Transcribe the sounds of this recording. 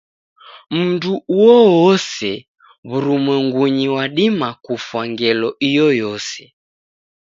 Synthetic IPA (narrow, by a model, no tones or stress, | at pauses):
m̩nduuwɔwɔsɛ | βuɾumwɛŋɡuɲiwaɗimakufwaŋɡɛlɔijɔjɔsɛ̥